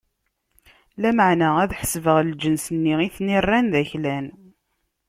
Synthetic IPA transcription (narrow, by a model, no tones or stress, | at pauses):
læməʕnææðħə̥svəʁld͡ʒənsənːiiθnirːænðæçlæn